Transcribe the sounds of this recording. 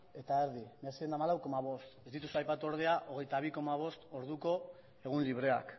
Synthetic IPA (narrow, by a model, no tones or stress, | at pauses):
e̞t̪aeɾðimeasiend̪amalawko̞maβ̞o̞st̪e̞zd̪it̪usuajpat̪uo̞ɾð̞e̞aʔo̞ɣ̞e̞jt̪aβ̞iko̞maβ̞o̞st̪o̞ɾðuko̞ | e̞ɣ̞unliβ̞ɾe̞a̰k